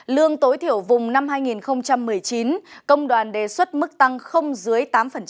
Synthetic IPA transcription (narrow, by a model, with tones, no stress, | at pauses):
lɨ˧əŋt̪o˨˦jt̪ʰi˧˩əwvʊ˨˩ŋ͡mna˧mɦaː˧jŋi˨˩nxə˧wŋ͡mt͡ɕa˧mːɨ˨˩əjt͡ɕi˨˦nkə˧wŋ͡mɗwaː˨˩nɗe˨˩swə˦˥t̚mɨ˦˥k̚t̪a˧ŋxə˧wŋ͡mzɨ˨˦əjt̪aː˨˦mfə˨˩n